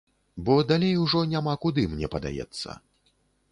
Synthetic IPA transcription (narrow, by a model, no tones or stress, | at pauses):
bɔd̪alʲejuʐɔnʲamakud̪ɨmnʲɛpɐd̪a̰jɛ̰t̪sːɐ̰